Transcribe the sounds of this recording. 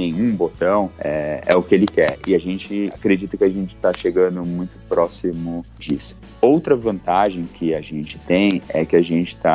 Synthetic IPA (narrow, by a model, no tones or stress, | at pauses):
nẽj̃ũbot̪ɐ̃w̃ɛɛ̰ʊkɪelɪkɛɾɪaʒẽnt͡ʃɪakɾed͡ʒit̪ɐkɪaʒẽnt͡ʃɪ̥t̪aʃeɡɐ̃nd̪ʊmũj̃t̪ʊ̥pɾɔsimʊd͡ʒisʊ̥ | owt̪ɾɐvɐ̃nt̪aʒẽj̃kʰɪaʒẽnt͡ʃɪ̥t̪ẽj̃ɛ̰kɪaʒẽnt͡ʃɪ̥t̪a